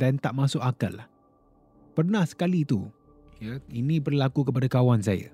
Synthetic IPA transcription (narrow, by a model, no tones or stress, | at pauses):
dant̪aʔmãsʊʔakəlah | pərnahsə̥kalit̪u | jainĩbərlakukəpadakawans̬aja̰